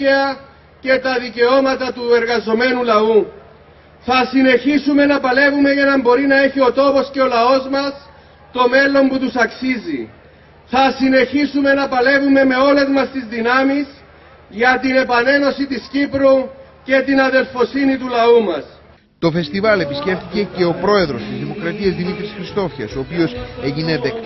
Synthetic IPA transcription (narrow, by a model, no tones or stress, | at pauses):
ɐ | ce̞t̪ɐðice̞o̞mɐt̪ɐt̪ue̞ɾɣɐzo̞me̞nulɐu | θɐsine̞çisume̞nɐpɐle̞vume̞ʝɐnɐmbo̞ɾinɐe̞çio̞t̪o̞po̞sce̞o̞lɐo̞zmɐs | t̪o̞me̞lo̞mput̪usɐksizḭ | θɐsine̞çisume̞nɐpɐle̞vume̞me̞o̞le̞zmɐst̪izðinɐmis | ʝɐt̪ine̞pɐne̞no̞sit̪iscipɾu | ce̞t̪inɐðe̞lfosinit̪ulɐumɐs | t̪o̞fe̞st̪ivɐle̞pisce̞ft̪ice̞ce̞opɾo̞e̞ðɾo̞st̪izðimo̞kɾɐt̪iɐzðimit̪ɾisxɾist̪o̞fçɐ̰soːpio̞seʝineðek̪